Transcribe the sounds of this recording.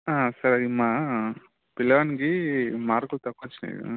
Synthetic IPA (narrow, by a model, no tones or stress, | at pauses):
aːsɐɾɐimːa | pilɐʋɐnikimaːɾkult̪ɐkːut͡ʃːunḭːkṵ